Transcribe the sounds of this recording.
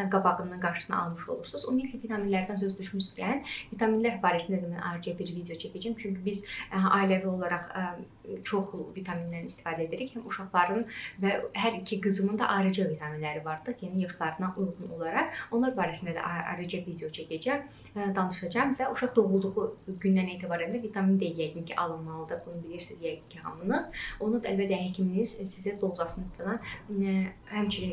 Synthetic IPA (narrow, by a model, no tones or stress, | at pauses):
ɡɑbɑʁɯnɯnɡɑɾʃɯsɯnɑ̰ɑ̰lˠmɯʃo̞̰lˠuɾsuzṵmiilʲcʲʰivit̪ʰɑminlæɾd̪ænsøzd̪yʃmyscʰænvit̪ʰɑminlæɾbɑːɾɛsind̪æd̪æmænɑ̰ɾɯd͡ʒɑbiɾvid̪ejo̞t͡ʃʰæcʰæd͡ʒæmt͡ʃʰyɲcybizɑ̰ilævio̞lˠɑɾɑʁ | t͡ʃʰo̞χˠvit̪ʰɑminlæɾinist̪i̥fɑːd̪æed̪iɾichæmuʃɑχlˠɑɾɯnvæɦæɾicʰiɡɯzɯmɯnd̪ɑ̰ʔɑɾɯd͡ʒɑvit̪ʰɑminlæɾivɑɾd̪ɯjenijɯχlˠɑɾɯnɑnʔulˠʁuno̞̰lˠɑɾɑʁo̞nlˠɑɾbɑːɾæsind̪æd̪æ̰ʔɑ̰ɾɯd͡ʒɯvid̪ejo̞t͡ʃʰaɟed͡ʒɛ | d̪ɑnɯʃɑd͡ʒɑmvæuʃɑχd̪o̞ɣulˠd̪uʁuɟynd̪æneːt̪ʰibɑːɾænd̪ævit̪ʰɑmind̪edjæɟ̪incʰiʔɑlˠɯnmɑlˠɯd̪ɯbunubilʲiɾsizjæɡincʰiɦɑ̰mɯnɯz̥o̞nud̪ælbæt̪ːæhæcʰiminiz̥sizæd̪o̞lzɑsɯnɯt̪ʰɯlˠɑn | hæmt͡ʃʰini